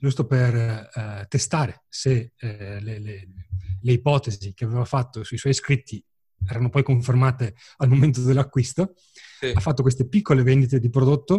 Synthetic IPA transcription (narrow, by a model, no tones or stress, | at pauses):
d͡ʒust̪opert̪est̪aːɾeseleleleipɔːt̪ezzik̟eaveːvafat̪ːosuiswɔjskɾit̪ʰːi | ɛːɾanopɔjkoɱfermaːt̪e | almoment̪od̪elːakːwist̪o | afːat̪ːokwes̬t̪epikːolevend̪it̪ed̪ipɾod̪ot̪ːo